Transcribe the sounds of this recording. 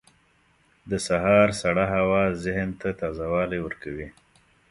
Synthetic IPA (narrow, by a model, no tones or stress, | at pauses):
d̪əsaɦɑɾsaɽaɦawɑzɪhnt̪at̪ɑzawɑlawəɾkawi